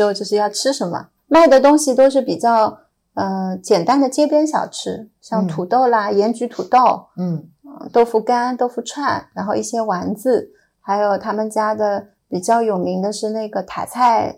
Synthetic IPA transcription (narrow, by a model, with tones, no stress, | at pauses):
o˧t͡ɕjo˥˧ʊʂɻ̩˥˧jɑ˥˧ʊʈ͡ʂʰɻ̩˥ʂə˧˥nmə̰˧ | ma˥˩ɪd̪ə˩t̪ʊ˥ŋɕi˨˩t̪o˥ʊʂ̬ɻ̩˥˩pi˨˩t͡ɕjɑ˥˩ʊ | ə˧t͡ɕjɛ˨˩nt̪a˥nd̪ə˨t͡ɕjɛ˥pjɛ˥nɕ̬jɑ˨˩ʊʈ͡ʂʰɻ̩˥ɕjɑ˥˩ŋt̪ʰu˨˩t̪o˥˩ʊla˩jɛ˧˥nt͡ɕy˧˥t̪ʰu˨˩t̪o˥˩ʊ | ə˥˧t̪o˥ʊfu˧˥ka˥nt̪o˥ʊfu˧˥ʈ͡ʂʰwa˥˩nɻa˧˥nxo˥˧ʊi˥˩ɕjɛ˥wa˧˥nt͡sɹ̩˥˧ | xa˧˥ɪjo˨˩ʊt̪ʰa˥mə˨nt͡ɕja˥d̪ə˨˩ | pi˨˩t͡ɕjɑ˥˩ʊjo˨˩ʊmi˧˥ŋd̪ə˧ʂɻ̩˥˧na˥˩ɪɡə˩t̪ʰa̰˨˩t͡sʰa˥˩ɪ